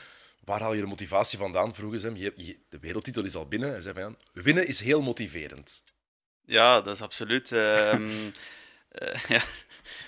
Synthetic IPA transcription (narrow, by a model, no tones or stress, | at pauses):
ʋaːɾɦɑlˠjədəmotivaːsivɑndaːnvruɣəsɛmjəjd̥əʋeːɾəlˠtːitəlˠɪsɑ̰lˠbɪnəɛjzɛjvɑnjaːn | ʋɪnəɪsɦeːlˠmotivḛːɾə̰nt | jaːdɑsɑpsolytə | ja